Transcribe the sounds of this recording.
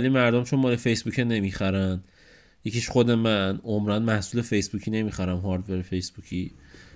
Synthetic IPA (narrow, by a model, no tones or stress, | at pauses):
limæɾd̪omt͡ʃʰonmɒːlefe̞jsbucʰene̞mixæɾæn | je̞ciʃχod̪e̞mænʔomɾænmæhsuːle̞fe̞jsbucʰine̞mixæɾæmɦɒɾd̪veɾefe̞jsbucʰi